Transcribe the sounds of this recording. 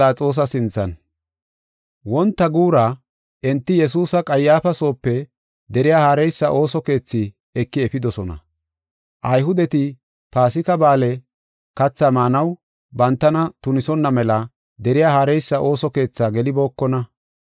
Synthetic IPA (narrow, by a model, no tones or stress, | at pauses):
aːt͡sʼo̞ːs̬ɐsɪnt͡sːɐ̰n | wɔnt̪ːɐɡuːɾɐ | ʔɛnt̪ːɪjɛs̬uːsɐkʼɐjːaːfɐso̞ːpːɛ | d̪ɛɾɪjaːhaːɾɛjsːɐʔo̞ːsɔke̞ːt͡sːɪ | ɛkːɪɛfɪd̪ɔsɔnɐ̰ | ʔɐjɦʊd̪ɛt̪ɪ | paːsɪkɐbaːlɛ | kɐt͡sːɐmaːnɐw | bɐnt̪ːɐnɐt̪ʊnɪsɔnːɐmɛlɐ | d̪ɛɾɪjaːhaːɾɛjsːɐʔo̞ːsɔke̞ːt͡sːaːɡɛlɪbo̞ːkːɔnɐ